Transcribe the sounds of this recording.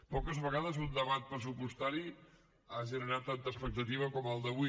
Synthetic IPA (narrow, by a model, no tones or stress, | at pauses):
pɔkəzβəɣaðəzund̪əβat̪̚pɾəsupust̪aɾi | aʒənəɾat̪ːant̪əːspək̚t̪ət̪iβ̞əkɔməlˠd̪əβu